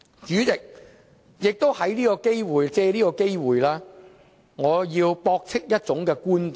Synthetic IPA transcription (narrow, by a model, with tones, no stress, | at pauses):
t͡ʃyː˨˥t͡sɪ˨k̚ | jɪ˨k̚t̪o˥whɐ˨˥jliː˥kɔː˧ke˥jwuː˨˩jt͡sɛː˧liː˥kɔː˧ke˥jwuː˨˩jlaː˥ | ŋɔː˨˧jiː˧wpɔː˧k̚t͡sʰɪ˥k̚jɐ˥t̚t͡sʊ˨˥ŋkɛː˧kuː˥nt̪i˨